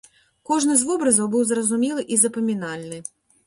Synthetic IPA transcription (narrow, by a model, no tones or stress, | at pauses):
kɔʐnɨzvɔbɾɐzɐwbɨwzrɐzumʲilˠɨʔizɐpɐmʲinalʲnɨ